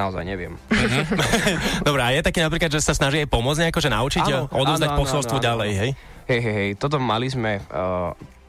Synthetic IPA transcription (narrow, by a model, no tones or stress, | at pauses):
aɔza̰jɲɛʋɪɛ̰m̩ɦ̩ | d̪ɔbɾɛajɛt̪akiːnapɾiklad̪ʒɛsasnaʒiajpɔmʊɔd͡zɲɛakɔʒɛna̰ut͡ʃitɛʎʔɔd̪ɔvzd̪acpɔsɔlˠst̪ʋɔɟalɛjɦɛj | ɦɛjɦɛjɦɛjt̪ɔt̪̬ɔmalizmɛ